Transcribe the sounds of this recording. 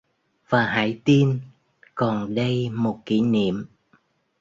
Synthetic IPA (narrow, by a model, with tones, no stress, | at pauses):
v̥aː˨˩ɦa̰ː˧˥jt̪i˧n | kɔ˨˩nɗə˧jmo˨˩t̚ki˧˩nḭ˧˨əm